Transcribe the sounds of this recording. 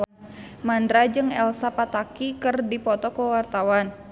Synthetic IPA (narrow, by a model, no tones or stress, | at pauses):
mandɾad͡ʒɨŋɛlsapat̪akikɨrdipɔt̪ɔkəwart̪awan